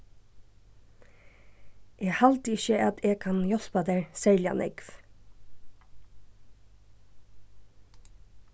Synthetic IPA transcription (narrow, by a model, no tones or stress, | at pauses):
ʔeːhɑlt̪ɪʃəʔɑt̪ʰeːɡ̚kʰɑnjɔspɑd̪æɹsɛɹljɑ̰nʔɛ̰ɡf